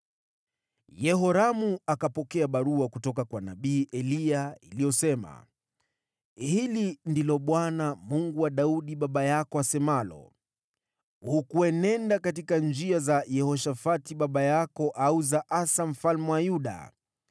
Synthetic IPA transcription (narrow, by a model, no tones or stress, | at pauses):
jɛɦɔɾamuakapɔkɛaɓaɾuakutɔkakwanaɓiːʔɛliailijɔsɛma̰ | hilindilɔɓwanamuŋɡuwaɗauɗiɓaɓajakɔasɛmalɔ̰ | hukuɛnɛndakatikand͡ʒiazajɛhɔʃafatiɓaɓajakɔʔauzaʔasam̩falmɛwajuɗa̰